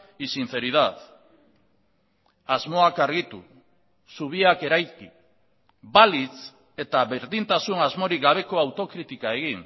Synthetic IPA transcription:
isinθe̞ɾiðat | azmo̞akaɾɣ̞it̪u | suβ̞iake̞ɾajki | balit͡s | e̞t̪aβe̞ɾðint̪asunazmo̞ɾiɡaβ̞e̞ko̞awt̪o̞kɾit̪ikae̞ɣ̞in

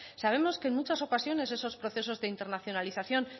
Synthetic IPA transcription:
saβ̞e̞mo̞skenmut͡ʃaso̞kasjo̞ne̞s̬e̞so̞spɾo̞θe̞so̞zðe̞int̪e̞ɾnaθjo̞naliθaθjo̞n

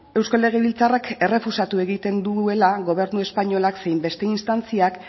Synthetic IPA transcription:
e̞wskale̞ɣ̞eβilt͡sarakʰe̞re̞fusat̪ue̞ɣit̪e̞nd̪ue̞laɣo̞β̞e̞ɾnue̞spaɲo̞laksejmbe̞st̪e̞inst̪ant͡siak

